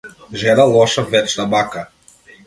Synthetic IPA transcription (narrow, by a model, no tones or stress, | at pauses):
ʒɛnalˠɔʃavɛt͡ʃt̪abaka